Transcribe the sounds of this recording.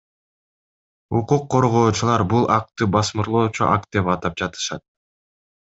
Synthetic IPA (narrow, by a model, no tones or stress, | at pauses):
uquqʰːo̞ɾʁo̞ːt͡ʃulˠɑɾbulˠɑk̚t̪ɯbɑsmɯɾlˠo̞ːt͡ʃuʔak̪̚d̪e̞pɑt̪ɑp̚d͡ʒɑt̪ɯ̥ʃɑt̪̚